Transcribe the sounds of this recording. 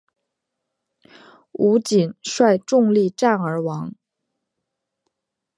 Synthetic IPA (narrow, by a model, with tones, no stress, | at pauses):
u˧˥t͡ɕi˨˩nʂwa˥˧ɪʈ͡ʂʊ˥˧ŋli˥˧ʈ͡ʂa˥˩nə˞˧˥wɑ˧˥ŋ